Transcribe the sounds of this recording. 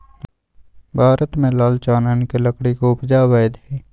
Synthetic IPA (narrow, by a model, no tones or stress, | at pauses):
bʱaːɾət̪mẽlaːlt͡ʃaːnaːnkeləkɽikoʊpd͡ʒaːwəjd̪ɦeː